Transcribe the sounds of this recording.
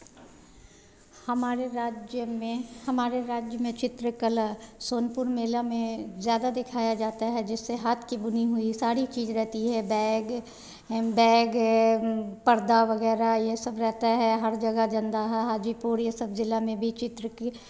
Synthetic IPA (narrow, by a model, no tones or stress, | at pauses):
hɐmaːɾeɾaːd͡ʒəmẽhɐmaːɾeɾaːd͡ʒjəmẽt͡ʃɪt̪ɾəkələsoːnpʊɾmeːlamẽzjaːd̪ad̪ɪkʰaːjad͡ʒaːt̪aɦɛd͡ʒɪsːeɦaːt̪ʰkibʊniɦʊisaːɾit͡ʃiːzɾɛɦt̪iɦɛbɛːɡ | bɛːɡ | pɐɾd̪aʋɐɡɛːɾajesɐbɾɛɦt̪aɦɛɦɐɾd͡ʒɐɡad͡ʒɐ̃nd̪aɦɛɦaːd͡ʒipuɾjesɐbzɪlamẽbʱit͡ʃɪt̪ɾəki